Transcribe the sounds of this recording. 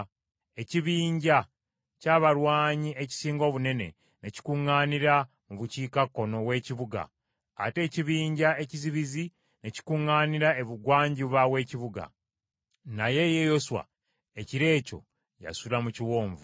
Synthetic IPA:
e̞ciβiːɲɟa | caːβaɾwaːɲie̞ci̥siːŋɡo̞ːβune̞ne̞̰ | neci̥kuŋːaːniɾa | muβuciːkakːo̞no̞we̞ːciβuɡa̰ː | te̞ːciβiːɲɟae̞ciziβizi | ne̞ci̥kuŋːaːniɾae̞βuɡwaːɲɟiβawe̞ːciβuɡa̰ | naje̞je̞jo̞swa̰ | eciɾe̞ːco̞̰ | ja̰sulamuciwo̞ːɱvu

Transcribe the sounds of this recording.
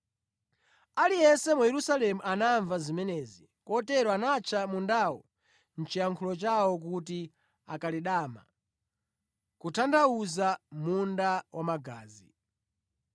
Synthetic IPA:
alijɛsɛmujɛɾusalɛmuʔanaɱvazimɛnɛːzi | kɔtɛɾɔanat͡ʃʰamundawɔ̰ | n̩t͡ʃijaŋkʰulɔt͡ʃawɔk̬uti | akaliɗaːma̰ | kutʰandauzamundawʔamaɡaːzi

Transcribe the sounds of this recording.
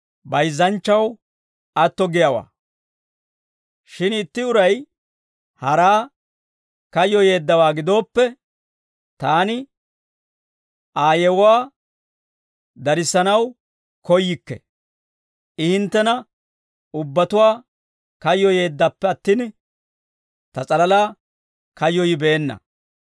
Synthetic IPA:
bɐjzːɐnt͡ʃːɐw | ɐt̪ːɔɡɪjɐwa̰ː | ʃɪnɪt̪ːɪʊɾɐj | hɐɾaː | kɐjːɔje̞ːd̪ːɐwaːɡɪd̪o̞ːpːɛ | t̪aːnɪ | aːjɛwʊwaː | d̪ɐɾɪsːɐnɐw | kɔjːɪkːɛ̰ | ɪhɪnt̪ːɛnɐ | ʊbːɐt̪ʊwaː | kɐjːɔje̞ːd̪ːɐpːɛɐt̪ːiːn | t̪ɐt͡sʼɐlɐlaː | kɐjːɔjɪbe̞ːnːɐ̰

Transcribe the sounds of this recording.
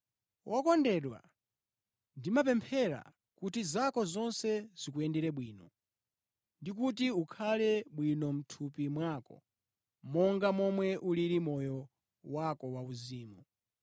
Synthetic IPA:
wʔɔkɔndɛɗwa̰ | ndimap̬ɛmpʰɛɾa̰ | kutizakɔzɔnsɛz̥ikuɛndɛɾɛɓwiːnɔ | ndikut̬iukʰalɛɓwinɔm̩tʰupimwakɔ̰ | mɔŋɡamɔmwɛʔuliɾimɔjɔ | wakɔwauziːmu

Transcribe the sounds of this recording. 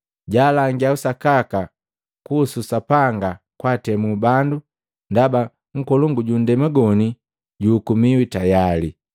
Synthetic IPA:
ɟaːlaŋɡiausakaka | kuːsusapaŋɡa | kwaːtɛmubandu | ndaba | ŋ̩kɔluŋɡuɟun̩dɛmaɡɔni | ɟuːkumiwitajali

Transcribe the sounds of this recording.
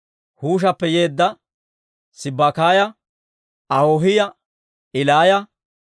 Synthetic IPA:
huːʃ̬ɐpːɛje̞ːd̪ːɐ | sɪbːakaːjɐ | ɐhoːɦɪjɐ | ɪlaːjɐ

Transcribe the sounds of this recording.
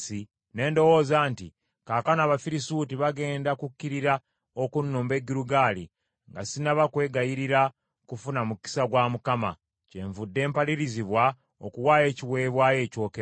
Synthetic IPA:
si | ne̞ːndo̞wo̞ːzaːnti | kaːkanaβafiɾisutiβaɡe̞ːndakukːiɾiɾa | okunːuːmbe̞ɡiɾuɡaːlḭ | ŋɡasinaβakwe̞ːɡajiɾiɾa | kufunamuki̥saɡwamukama̰ | ce̞ɱvudːe̞ːmpaliɾiziβwa | okuwaːje̞ːciwe̞ːβwaːje̞ːco̞ːkeɾ

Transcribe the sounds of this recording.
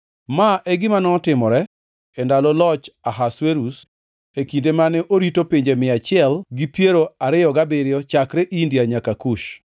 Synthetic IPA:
maʔɛɡɪmanɔːtɪmɔɾɛ | ɛndalɔlɔt͡ʃaɦasweɾus | ekindemanɛʔoɾitopiɲd͡ʒemɪat͡ʃɪɛlɡɪpjeɾoaɾɪjɔɡabɪɾjɔt͡ʃakɾɛʔindiaɲakakuʃ

